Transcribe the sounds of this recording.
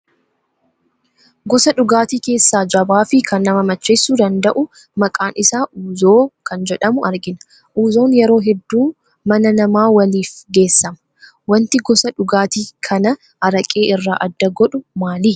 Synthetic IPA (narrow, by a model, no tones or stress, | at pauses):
ɡɔsɐᶑʊɡaːt̪iːke̞ːsːaːd͡ʒɐbaːfɪkʰɐnːɐmɐmɐt͡ʃːe̞ːsːuːd̪ɐnd̪ɐʔʊ | mɐkʼaːnɪsaːʔuːzo̞ːkɐnd͡ʒɛᶑɐmʊʔɐɾɡɪnɐ̥ | ʔuːzo̞ːnjɛɾo̞ːɦɛd̪ːuː | mɐnɐnɐmaːwɐliːfɡe̞ːsːɐmɐ̥ | wɐnt̪ɪɡɔsɐᶑʊɡaːt̪iːkʰɐnɐ | ʔɐɾɐkʼe̞ːʔɪrːa̰ːʔɐd̪ːɐɡɔᶑʊmaːli